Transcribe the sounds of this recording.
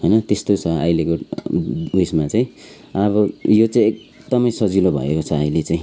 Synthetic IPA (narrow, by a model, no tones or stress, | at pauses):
ɦʌjnʌt̪est̪ot͡sʰʌʌjleko | ismat͡saĩ | ʌβʌjot͡saĩek̚ | d̪ʌmʌjsʌd͡zilobʱʌ̰ḛkot͡sʰʌʌjlet͡saĩ